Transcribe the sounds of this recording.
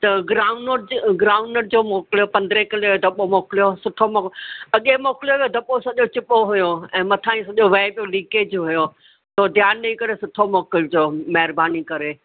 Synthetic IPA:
t̪ɐɡɾaːʊ̃nɾɡɾaːʊnəɾd͡ʑoːmoːklijopɐ̃nd̪ɾekɐleʋed̪ʱɐɓomoːkɪlijosʊʈʰomoːɐɠemoːkɪljoʋed̪ʱɐɓosɐʄot͡ɕɪpoɦʊjoɛ̃ːmɐt̪ʰãːĩsɐʄoʋeːpjolĩːkeːd͡ʑɦʊjo | t̪oːd̪ʱjaːnnɐĩkɐɾesʊʈʰomoːkɪld͡ʑoːmɐɦɪɾbaːnikɐɾe

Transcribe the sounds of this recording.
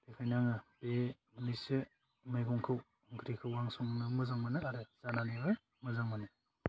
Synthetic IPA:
tekʰajnaŋɯbe | mnise | majɡɔŋkʰɯw | ŋkʰɾikʰɯwːaŋsɔŋnɯmɯzaŋmanɯaɾɯz̥ananiɦɯj | mɯzaŋmanɯ

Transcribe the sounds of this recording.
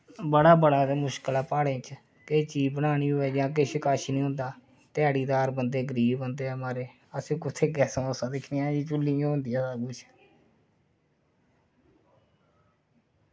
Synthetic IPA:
bəɽaːbəɽaːt̪eːmʊʃkəlaːpaːɽẽːt͡ʃ | keːt͡ʃiːbəɽ̃aːñiːɦoːɛːd͡ʒãːk̬eʃɪkaːʃiːnĩːɦõːnd̪aː | t̪ɪaːɽiːd̪aːɾbənd̪eːɡəɾiːbbənd̪eːmaːɾeː | əsẽːkʊt̪ʰeːɡɛːsõːəsãːd̪ɪkʰnijãːd͡ʒiːt͡ʃʊlːĩːɦõnd̪iːasaːɡʊt͡ʃʰ

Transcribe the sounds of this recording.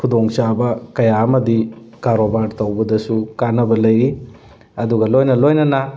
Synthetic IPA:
kʰudoŋsabɐkɐjaɐmɐdikaɾobaɾtɐwbɐdɐsukanɐbɐlɐjɾi | ɐduɡɐlojnɐlojnɐnɐ

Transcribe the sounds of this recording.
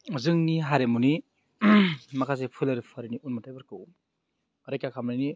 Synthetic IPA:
zɯŋniɦaɾemuni | makʰas̬epʰulɐɾipʰaɾiniʔunmatʰajbaɾkɯw | ɾajkakʰamɾajni

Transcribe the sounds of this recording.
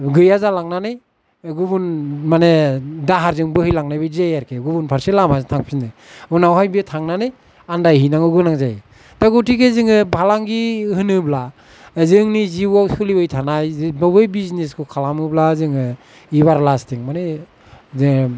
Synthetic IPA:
ɡɯjazalaŋnanɯj | ɡubunmanedaɦaɾzɯŋbɯhɯjlaŋnajbɯzejaɾkʰeɡubunpʰaɾselamazatʰaŋpʰinɯunawɦajbitʰaŋnanɯj | andajhijnaŋɯɡɯnaŋzaj | taɡutikʰezɯŋɯbʱalaŋɡihɯnɯbla | zɯŋniziwawsɯlibɯjtʰanajzbabɯjbizneskʰukʰalamɯblazɯŋɯ | iβaɾlastʰiŋmane | zɯŋ

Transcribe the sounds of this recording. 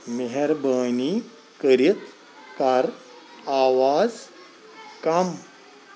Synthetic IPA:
meɦeɾbəni | kəɾit̪ | kaɾ | aʋad͡z | kam

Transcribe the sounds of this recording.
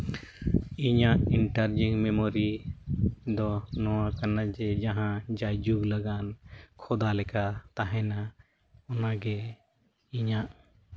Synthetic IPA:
iɲaʔiɳʈaɾd͡ʒiŋmɛmoɾi | d̪ɔnɔwakanad͡ʒɛd͡ʒaɦãd͡ʒajd͡ʒuɡlaɡankʰɔd̪alɛkat̪aɦɛna | ɔnaɡɛ | iɲaʔ

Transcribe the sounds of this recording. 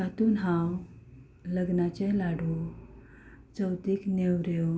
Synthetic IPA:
kat̪uːnɦãw | ləɡnat͡ɕẽlaɽu | t͡səwt̪iːknewɾew

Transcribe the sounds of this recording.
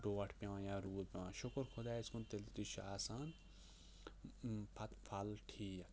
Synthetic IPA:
ɖoːɐʈʰpʲjãːjaːɾuːdpʲjãːʃʊkɾxʰʊd̪aːiskunt̪elt̪iʃaːsaːn | pʰɐt̪pʰalʈʰiːja

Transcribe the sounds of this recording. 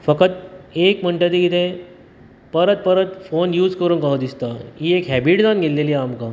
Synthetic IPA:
fəkət̪ekm̤əɳʈət̪ikit̪ʰẽ | pəɾət̪̚pəɾət̪fonjuːd͡zkəɾuːnkaɦod̪ist̪aiːekɦæbiʈd͡zanɡelːeliamka

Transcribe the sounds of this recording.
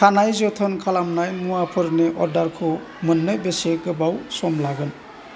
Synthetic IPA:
kʰanajzɔtʰɯnkʰalamnajmuapʰɯɾneʔɔɾdaɾkʰɔ | mɯnːɯjbeseɡɯbawsɔmlaɡɯn

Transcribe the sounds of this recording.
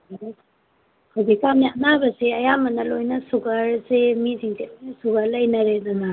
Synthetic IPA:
kʰadikamianabɐseɐjamɐnɐlojnɐsuɡɐɾsemiziŋtelojnɐsuɡɐɾlɐjnɐɾed̪ɔnɐ

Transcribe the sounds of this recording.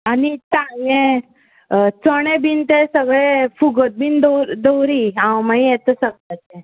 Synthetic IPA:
anit̪ãjẽ | t͡səɽ̃ebint̪esəɡɭefuɡət̪̚bind̪əɾd̪əwɾiãwmaĩjɛt̪əsəɡɭat͡se

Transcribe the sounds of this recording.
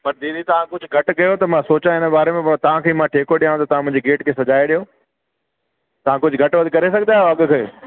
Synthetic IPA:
pɐɾd̪iːd̪it̪ɐʋãkʊd͡ʑʱʊɡʱɐʈkɐjot̪ɐmãsoːt͡ɕãɪnəbaːɾemẽt̪ɐʋ̤ãkʰeimãʈʰeːkoɗijãːt̪ɐt̪ɐʋ̤ãmʊ̃ɦɪ̃d͡ʑeɡeːʈkʰeːsɐd͡ʑaːeɗijoː | t̪ɐʋ̤ãkʊd͡ʑʱʊɡʱɐʈʋɐd̪ʱikɐɾesɐɡʱnd̪aːɦoɐɠʊ̆kʰe

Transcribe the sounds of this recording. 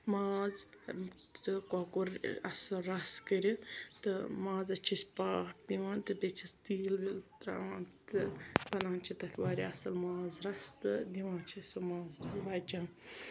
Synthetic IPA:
maːz | t̪ɨkɔkuɾɐ̰sɐɾɐskəɾit̪ɨmãːzɐt͡ʃʰisʲpaːkd̪iʋãːnt̪ɨbet͡ʃʰist̪iːlʋilt̪ɾa̰ːant̪ɨpɐnaːnt͡ʃʰit̪ɐt̪ʰʲʋaːɾiɐsɐlmaːzɾɐst̪ɨd̪iʋãːt͡ʃʰisʲomaːzɾɐsbaːd͡ʒan

